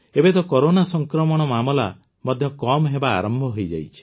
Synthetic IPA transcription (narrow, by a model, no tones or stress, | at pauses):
ebet̪ɔkɔɾonasɔŋkɾɔmɔɽ̃ɔmamɔla̰ | mɔd̪ʱjɔkɔmɦeba̰ːɾɔmbʱɔɦojd͡ʒa̰jt͡ʃʰi̥